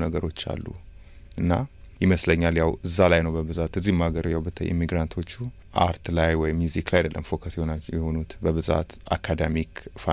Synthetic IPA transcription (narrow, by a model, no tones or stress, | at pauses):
nəɡəɾo̞t͡ʃːa̰lːṵ | ʔɨnːajɪməsləɲːaljawɨzːalajnəwbəbɨzat̪ɨzːihmaɡəɾjawbət̪ʰəʔḭmːiɡɾant̪ʰo̞t͡ʃːu | ʔa̰ɾt̪lajwɔjɪmːjuziklajd̪ə̰lːə̰mfo̞kʰəsjɛhonajɛho̞nut̪bəβɨza̰t̪a̰kʰad̪emikfa